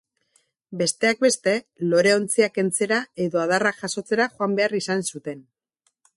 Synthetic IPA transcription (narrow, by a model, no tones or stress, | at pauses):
be̞st̪e̞ak̚be̞st̪e̞lo̞ɾe̞o̞nt͡siake̞nt͡se̞ɾae̞ðo̞aðarakʝaso̞t͡se̞ɾaʝoambe̞arisansut̪e̞n